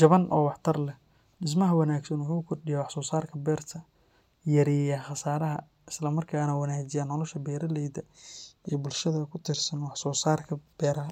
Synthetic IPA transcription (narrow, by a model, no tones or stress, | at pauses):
d͡ʒɐβɐnʔɔ̰ːwɑħt̪ʰɐrlɛ | ɗɪs̬mɐɦɐwɑnaːɡsɐnwʊħuːkʰɔrɖɪjɐwɑħsɔːsaːrkʰɐbɛːrt̪ʰɐ | jɐɾijɐχɑsaːɾɐɦɐ | ɪslɐmɐrkʰaːnɐwɑnaːt͡ʃɪjaːnːɔlɔʃɐbɛːɾɐlɛːd̪ɐiːbʊlʃɐðɐkʰʊt̪ʰɪrsɐnwɑħsɔːsaːrkʰɐb̥ɛːɾɐ